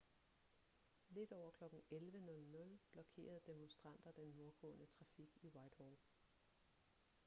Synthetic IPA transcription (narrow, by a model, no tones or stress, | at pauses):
le̝d̥ɒʊ̰ɐkʰlɒ̽ɡ̥n̩elʋənɔ̽lnɔ̽lb̥lɒ̽kʰe̝̰ːɐð̩ˠd̥e̝mɔnsd̥ʁɑ̈n̰d̥ɐd̥enːo̝ɐɡ̥ɔ̰̽ːnət͡sʰʁɑ̈fiɡ̥iwɑ̈ɪd̥hɒ